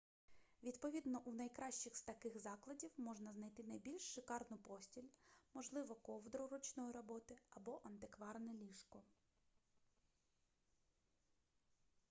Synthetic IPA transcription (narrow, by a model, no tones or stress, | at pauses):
ʋʲid̪pɔʋʲid̪nɔʔunɐjkɾɑʃt͡ʃɪxst̪ɐkɪxzɑklˠɐdʲiwmɔʒnɐznɐjt̪ɪnɐjbʲilʲʃːɪkɑrnʊpɔsʲtʲilʲmɔʒlˠɪʋɔkɔwd̪ɾʊɾɔt͡ʃnɔjiɾɔbɔt̪ɪɐbɔʔɐnt̪ɪkʋɑrnɛlʲiʃkɔ